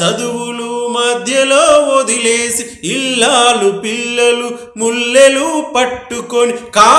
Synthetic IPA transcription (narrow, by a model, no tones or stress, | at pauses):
ɐd̪uʋulumɐd̪ʱjɐloːod̪ileːsi | ilːaːlupilːɐlu | mulːelupɐʈːukonikaː